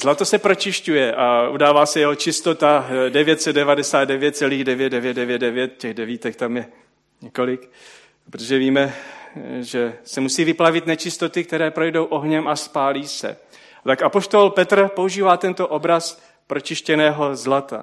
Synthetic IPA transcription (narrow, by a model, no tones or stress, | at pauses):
z̥lat̪o̞sɛpɾo̞t͡ʃɪʃcujɛʔaʔudaːvaːsɛjɛɦo̞t͡ʃɪst̪o̞t̪adɛvjɛt̪sɛd̪dɛvadɛsaːd̪̚dɛvjɛt̪̚t͡sɛliːɣdɛvjɛt̪̚dɛvjɛt̪̚dɛvjɛt̪̚dɛvjɛt̪̚cɛɣdɛviːt̪ɛkt̪amjɛ | ɲɛko̞lɪk | pɾot̪oʒɛviːmɛ | ʒɛsɛmusiːvɪplavɪt̪nɛt͡ʃɪst̪o̞t̪ɪk̚t̪ɛɾɛːpɾojdo̞wʔo̞ɦɲɛmʔaspaːliːsɛ̰ | t̪akapo̞ʃt̪o̞lpɛt̪r̩pouʒiːvaːt̪ɛnt̪o̞ʔo̞bɾas | pɾo̞t͡ʃɪʃcɛnɛːɦo̞zlat̪a̰